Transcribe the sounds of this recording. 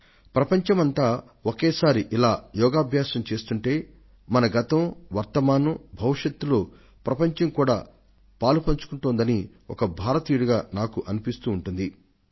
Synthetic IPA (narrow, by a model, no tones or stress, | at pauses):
pɾɐpɐɲt͡ʃɐmɐnt̪aː | okeːsaːɾiʔilaːjɔːɡaːbʱjaːsɐmt͡ʃe̞ːst̪uɳʈe̞ː | mɐnɐɡɐt̪ɐmʋɐɾt̪ɐmaːnubʱɐʋiʂɐt̪ːuloː | pɾɐpɐɲt͡ʃɐmkuːɽa̰ː | paːlupɐɲt͡ʃu̥kuɳʈuːnd̪ɐni | ɔ̰kɐbʱaːɾɐt̪iːjuɽuɡaːnaːkuʔɐnipist̪uːɳʈund̪i